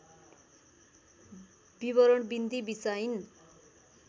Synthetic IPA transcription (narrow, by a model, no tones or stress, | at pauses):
b̥iβʌɾʌɳbind̪ibisain